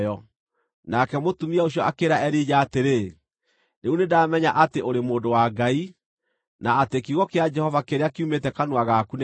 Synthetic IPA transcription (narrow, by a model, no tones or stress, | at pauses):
ɔ | nakɛmotumiaoɕjɔakeɾaɛɾiːd͡ʒaːteɾe | neunedaːmɛɲaʔateʔoɾemoːdowaɡai | naːtekiɣɔkead͡ʒɛhɔvakeɾeakiumetɛkanwaɣakune